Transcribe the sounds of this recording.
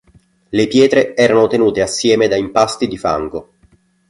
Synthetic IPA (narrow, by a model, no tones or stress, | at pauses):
lepjɛːt̪ɾeɛːɾanot̪enuːt̪easːjɛːmed̪aimpast̪id̪ifa̰ŋɡo